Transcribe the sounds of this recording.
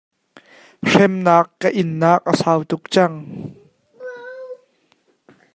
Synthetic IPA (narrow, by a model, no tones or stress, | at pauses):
r̥ɛmnaːkːəʔɪnːaːk̚ʔəsaːwt̪ʊk̚t͡sɐŋ